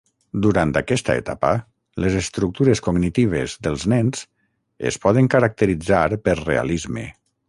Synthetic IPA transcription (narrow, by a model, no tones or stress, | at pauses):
d̪uɾant̪akɛst̪a̰ḛt̪apə | lezest̪ɾuk̚t̪uɾeskoɡnit̪iβ̞ezðəlˠznɛnz̥ | ḛspɔðəŋkəɾak̚t̪əɾid͡zaɾpəɾrḛa̰lizmḛ